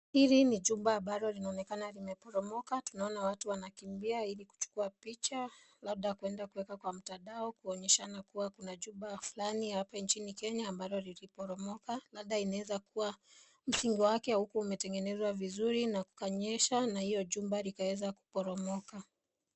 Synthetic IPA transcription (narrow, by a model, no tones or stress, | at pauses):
hiɾiniʄumbaːmbaɾɔlinaɔnɛkanalimɛpɔɾɔmɔkatunaɔnawatuwanakimbiailiku̥t͡ʃu̥kuapit͡ʃa | lab̚ɗakuɛndakuwɛkakwam̩tadaɔkuɔɲɛʃanakuwakunaʄumbafulanihapant͡ʃinikɛɲaːmbaɾɔlilipɔɾɔmɔkalab̚ɗainawɛzakuwa | m̩siŋɡiwakɛhukuːmɛtɛŋɡɛnɛzwavizuɾinaku̥kaɲɛʃanahijɔʄumbalikawɛzaku̥pɔɾɔmɔka